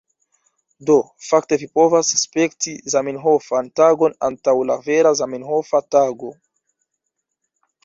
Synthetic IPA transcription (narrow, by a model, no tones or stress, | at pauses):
do̞ | fak̚te̞vipo̞vasspektizaminɦo̞fantaɡo̞na̰ntawlave̞ɾazaminɦofataɡo̞